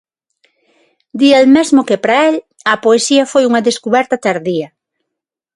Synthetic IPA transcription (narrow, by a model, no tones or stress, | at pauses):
d̪ialmezmʊkɪpɾɐel | ɐpoesiɐfojuŋɐðeskuβɛɾt̪ɐt̪aɾðiɐ